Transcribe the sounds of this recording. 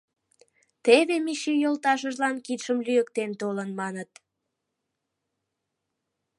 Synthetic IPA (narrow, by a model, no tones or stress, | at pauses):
t̪eβemiʃijolt̪ɑʃ̬əʒlɑnkit̪ʃəmlyjəkt̪ent̪olənmɑnət̪